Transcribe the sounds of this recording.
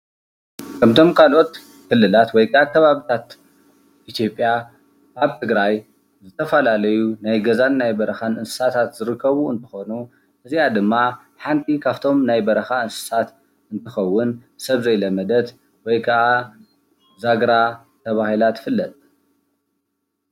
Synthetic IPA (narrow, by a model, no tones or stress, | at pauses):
kʰɐmt̪ʰo̞mkʰalʔo̞t̪ | kʰɨlːɨlat̪wɔjkʰɐʔakʰɐβaβit̪ʰat̪ | ʔit̪ʰijo̞pʼːja | kaβt̪ʰɨɡɾaj | zɨt̪ʰɐfɐlalɐjunajɡɐzanːajbɐɾɐxanɨnsɨ̥sat̪ʰat̪zɨɾɨkʰːɐβuɨ̰nt̪ʰɨ̥xo̞nu | ʔɨzijad̪ɨmːa | ħant̪ʰikʰaβt̪ʰo̞mnajbɐɾɐxaɨnsɨ̥sat̪ | ɨnt̪ʰɨxɐwːʊnsɐβzɐjlɐmɐd̪ɐt̪ | wɔjkʰɐʔa | zaɡɾa | t̪ʰɐβahilat̪fɨlːɐt̪ʼ